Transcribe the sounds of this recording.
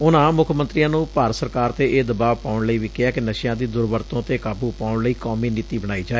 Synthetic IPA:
ʊnãːmʊkʰmənt̪ɾiːãːnũːpaːɾəsəɾkaːɾt̪eːʔeːd̪əbaːʋpaːʊɳləiːʋiːkɪɛːkɪnəʃjãːd̪iːd̪ʊɾbəɾt̪õːt̪eːkaːbuːpaːʊɳləiːkaːmiːnɪt̪iːbəɽ̃aːiːd͡ʒaːe

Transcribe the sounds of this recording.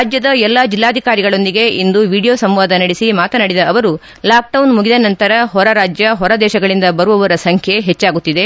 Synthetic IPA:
d͡ʒjɐd̪ɐɛlːaːd͡ʒilːaːd̪ʱikaːɾiɡɐɭo̞nd̪iɡe̞ind̪uʋiːɽijo̞ːsɐmʋaːd̪ɐnɐɽisimaːt̪ɐnɐɽid̪ɐːʋɐɾu | laːk̚ɖɐwnmuɡid̪ɐnɐnt̪ɐɾɐɦɔɾɐɾaːd͡ʒjɐɦɔɾɐd̪ɛːʃɐɡɐɭind̪ɐbɐɾuʋɐʋɐɾɐsɐŋkʰjeɦet͡ʃːaːɡut̪ːid̪e̞

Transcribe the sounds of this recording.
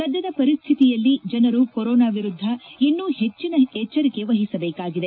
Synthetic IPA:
kɐd̪ːɐd̪ɐpɐɾist̪ʰit̪ijɐlːid͡ʒɐnɐɾukoɾɔːnaːʋiɾud̪ʱːɐinːuhe̞t͡ʃːinɐɛt͡ʃːɐɾike̞ʋɐɦisɐbeːkaːɡid̪e̞

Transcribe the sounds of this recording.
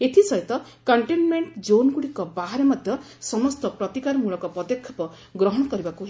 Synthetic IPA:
et̪ʰisɔɦjt̪ɔ | kɔɳʈenmeɳʈd͡ʒonɡuɽikɔbaɦaɾemɔd̪ʱjɔ | sɔmɔst̪ɔpɾɔt̪ikaɾmuɭɔkɔpɔd̪jekʰːɔ̥pɔ | ɡɾɔɦɔɽ̃ɔkɔɾibakuɦ

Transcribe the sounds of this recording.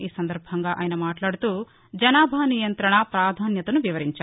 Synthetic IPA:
iːsɐnd̪ɐɾbʱɐŋɡaːʔa̰ːjinɐmaːʈlaːɽut̪uː | d͡ʒɐnaːbʱaːnijɐnt̪ɾɐɳɐpɾaːd̪ʱaːnjɐt̪ɐnuʋiʋɐɾiɲt͡ʃa

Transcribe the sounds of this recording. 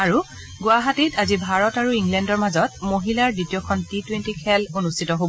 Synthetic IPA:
aɹu | ɡʊaɦatitazibʱaɹɔtaɹuiŋɡlɛndɔɹmazɔtmoɦilaɹditijɔkʰɔntitwentikʰɛlonustʰitɔɦobɔ

